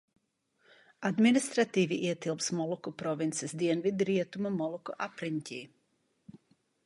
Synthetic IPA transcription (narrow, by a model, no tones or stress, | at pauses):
ad̪minist̪ɾat̪iːʋiʔiɛt̪ilˠpsmɔlˠɔkupɾɔʋint̪sɛzd̪iɛnʋid̪ɾiɛt̪umamɔlˠɔkɔ̰ʔapɾinʲtʲi